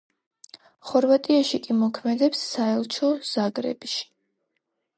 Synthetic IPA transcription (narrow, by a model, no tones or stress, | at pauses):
χɔɾvat̪ʼiaʃikʼimɔkʰmɛd̪ɛpsːaɛlˠt͡ʃʰɔz̥aɡɾɛ̰biʃi̥